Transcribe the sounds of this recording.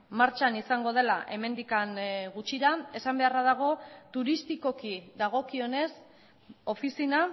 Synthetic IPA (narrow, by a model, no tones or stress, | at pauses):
maɾt͡ʃanisaŋɡo̞ð̞e̞laʔe̞me̞nd̪ikanɡut͡ʃiɾae̞sambe̞araðaɣ̞o̞t̪uɾist̪iko̞kiðaɣ̞o̞kio̞ne̞s | o̞fisina